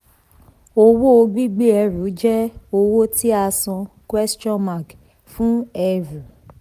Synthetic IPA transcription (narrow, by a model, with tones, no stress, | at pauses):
o˧wo˦o˧ɡ͡bi˦ɡ͡bi˦ɛ˧ɾu˨˦d͡ʒɛ˦o˧wo˦ti˦a˧sɔ̃˧kwɛ˦stɔ̃˦ma˨k | fũ˦ɛ˧vu˨